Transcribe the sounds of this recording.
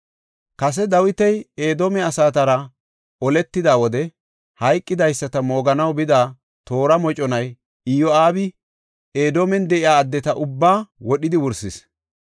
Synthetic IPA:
kɐs̬ɛd̪ɐwɪt̪ɛjeːd̪oːmɛɐsaːt̪ɐɾɐ | ʔɔlɛt̪ːɪd̪aːwɔd̪ɛ | hɐjkʼːɪd̪ɐjsːɐt̪ɐmo̞ːɡɐnɐwbɪd̪aː | t̪o̞ːɾɐmɔt͡ʃʼɔnɐj | ɪjɔaːbɪ | eːd̪oːmɛnd̪ɛʔɪaːd̪ːɛt̪ɐʔʊbːaːwɔɗɪd̪ɪwʊɾsɪs

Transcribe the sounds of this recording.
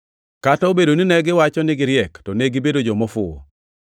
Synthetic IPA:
kataobedoninɛɡɪwat͡ʃɔnɪɡɪɾjɛktɔneɡɪbedod͡ʒɔmɔfʊo̰

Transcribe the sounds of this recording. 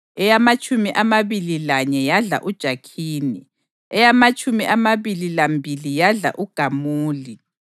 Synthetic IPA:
ɛjamat͡ʃʼumiʔamaβililaɲɛjaɮa̰ʔud̥ʒ̥ʱakʰiːnḭ | ɛjamat͡ʃʼumiʔamaβililambʱilijaɮa̰ʔuɡ̥ʱamuːli

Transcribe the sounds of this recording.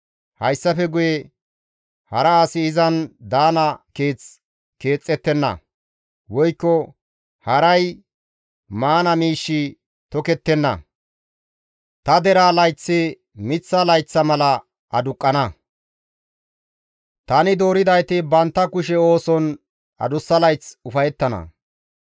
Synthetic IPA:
hɐjsːɐfɛɡʊje | hɐɾɐaːsɪːzɐnd̪aːnɐke̞ːt͡s | ke̞ːt͡sʼːɛt̪ːɛnːɐ̰ | wɔjkːɔ | hɐɾɐj | maːnɐmiːʃːɪ | t̪ɔkɛt̪ːɛnːɐ̰ | t̪ɐd̪ɛɾaːlɐjt͡sːɪ | mɪt͡sːɐlɐjt͡sːɐmɐlɐ | ʔɐd̪ʊkʼːɐnɐ | t̪ɐnɪd̪o̞ːɾɪd̪ɐjt̪ɪbɐnt̪ːɐkʊʃɛo̞ːsɔn | ɐ̰d̪ʊsːɐlɐjt͡sʊfɐjɛt̪ːɐnɐ̰

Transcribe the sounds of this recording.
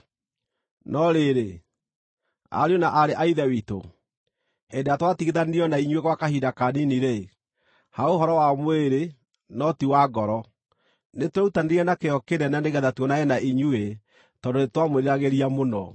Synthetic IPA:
nɔɾeɾe | a̰ɾeonaʔaɾeʔaiðɛwito̰ | hedeatwatiɣeðaneiɔnaiɲueɣwakahidakaniniɾe | haoɦɔɾɔwamweɾe | nɔtiwaɡɔɾɔ | neteutaneɾiɛnakeɔkeɾɛnaneɣɛðatwɔnajɛnaʔiɲue | tɔdonetwamoɾeɾaɣeɾiamonɔ̰

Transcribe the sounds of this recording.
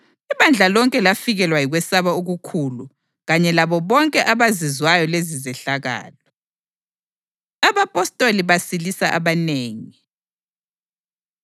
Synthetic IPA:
iβand͡ɮʱalɔŋkʼɛlafiɣɛlwajiɣwɛsaβaoɣukʰulu | ɣaɲɛlaβɔβɔŋkʼɛʔaβazizwajɔlezizɛɬaɣa̰ːlɔ | aβapʼɔstʼoliβasilisaʔa̰βaneːŋi

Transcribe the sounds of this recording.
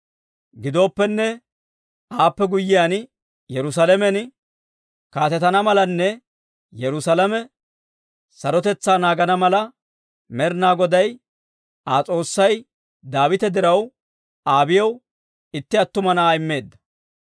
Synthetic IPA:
ɡɪd̪o̞ːpːɛnːɛ | aːpːɛɡʊjːɪjan | jɛɾʊs̬ɐlɛmɛn | kaːt̪ɛt̪ɐnɐmɐlɐnːɛ | jɛɾʊsɐlɐmɛ | sɐɾɔt̪ɛt͡sːaːnaːɡɐnɐmɐlɐ | mɛɾnaːɡɔd̪ɐj | aːt͡sʼo̞ːsːɐj | d̪aːwɪt̪ɛd̪ɪɾɐw | aːbɪjɐw | ɪt̪ːɪɐt̪ːʊmɐnaːɪmːe̞ːd̪ːɐ̥

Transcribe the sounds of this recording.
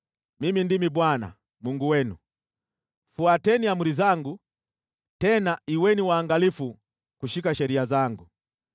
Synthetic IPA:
mimindimibwana̰ | muŋɡuwɛnu | fuatɛniamulizaŋɡu | tɛnaʔiwɛniwaːŋɡalifu | kuʃikaʃɛɾiazaŋɡu

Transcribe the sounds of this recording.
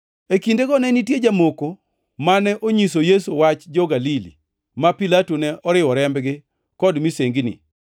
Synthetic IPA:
ekindekɔnɛnitjed͡ʒamoko | manɛʔoɲis̬ojesuwat͡ʃd͡ʒɔɡalilḭ | mapilatunɛʔɔɾɪwɔɾɛmbɡɪ | kɔdmiseŋɡinḭ

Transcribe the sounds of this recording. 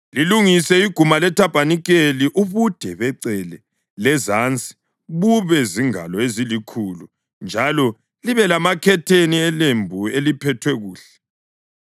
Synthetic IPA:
liluŋisɛiɡ̥ʱumalɛtʰab̥ʱaniɣeliʔuβud̥ʱɛβɛǀɛlɛ | lɛzant͡sʼi̥ | βuβɛziŋa̰lɔezilikʰulu | nd͡ʒʱalɔ | liβɛlamakʰɛtʰeniɛlembʱuelipʰɛtʰwɛɣuːɬɛ

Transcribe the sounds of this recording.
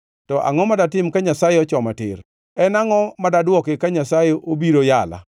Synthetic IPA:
tɔʔa̰ŋɔmadatɪmkaɲasajeɔt͡ʃɔmatɪ̰ɾ | ɛnaŋɔmadadwɔkekaɲasajeʔobiɾojala̰

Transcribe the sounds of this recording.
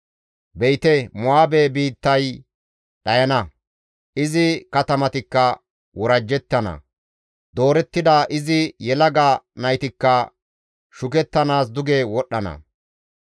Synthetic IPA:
bɛjt̪ɛmʊaːbebiːt̪ːɐj | ɗɐjɐnɐ | ʔɪzɪkɐt̪ɐmɐt̪ɪkːɐ | wɔɾɐd͡ʒːɛt̪ːɐnɐ̰ | d̪o̞ːɾɛt̪ːɪd̪aːʔɪzɪjɛlɐɡaːnɐjt̪ɪkːɐ | ʃʊkɛt̪ːɐnaːs̬d̪ʊɡeːwɔɗːɐnɐ̰

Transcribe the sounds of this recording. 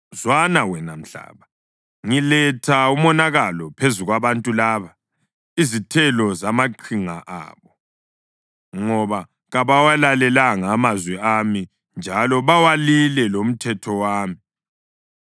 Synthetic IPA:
zwanawɛnam̩ɬa̰ːβa | ŋilɛtʰaumɔnaɣalɔpʰezuɣwaβantʼulaːβa | izitʰɛlɔzamaǃʰiŋaʔa̰ːβɔ | ŋɔβa | ɣaβawalalɛlaŋaːmazwɛami | nd͡ʒʱalɔβawalilɛlom̩tʰɛtʰɔwaːmi

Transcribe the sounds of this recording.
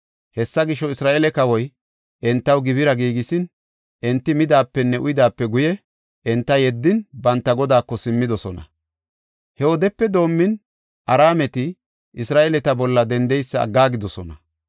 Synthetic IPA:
hɛsːɐɡɪʃɔɪsɾaːʔelɛkɐwɔj | ʔɛnt̪ːɐwɡɪβɪɾɐɡiːɡɪsɪn | ʔɛnt̪ːɪmɪd̪aːpːɛnːɛʔʊjd̪aːpːɛɡʊjɛ | ʔɛnt̪ːɐjɛd̪ːɪnbɐnt̪ːɐɡɔd̪aːkːɔsɪmːɪd̪ɔsɔnɐ̰ | hɛwɔd̪ɛpːɛd̪o̞ːmːɪn | ʔɐɾaːmɛt̪ɪ | ʔɪsɾaːʔɛlɛt̪ɐbɔlːɐd̪ɛnd̪ɛjsːɐɐ̰ɡːaːɡɪd̪ɔsɔnɐ

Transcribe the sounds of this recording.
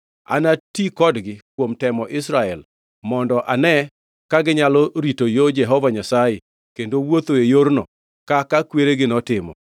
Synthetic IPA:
a̰natikɔdɡɪkwomtɛmɔʔɪsɾaɛl | mɔndɔʔanɛ | kaɡɪɲalɔɾitojod͡ʒɛɦɔvaɲasaje | kendowot̪oejoɾnɔ̰ | kakakweɾeɡɪnɔtɪmɔ̰

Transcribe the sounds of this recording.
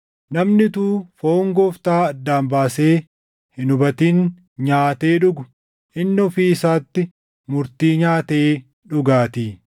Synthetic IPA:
nɐmnɪt̪uːfoːŋɡɔft̪aːɐd̪ːaːmbaːseː | hɪnʊbɐt̪iːn | ɲaːt̪eːᶑʊɡʊ | ɪnːɔfiɪsaːt̪ːɪ | mʊɾt̪iːɲaːt̪eː | ᶑʊɡaːt̪iː

